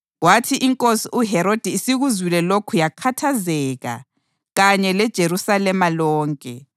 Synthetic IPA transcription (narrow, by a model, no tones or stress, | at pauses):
watʰiʔiŋkʼosiuɦɛɾod̥ʱiisiɣuzwilɛlokʰujakʰatʰazɛːɣa̰ | ɣaɲɛlɛd̥ʒ̥ʱeɾusalɛmalɔːŋkʼɛ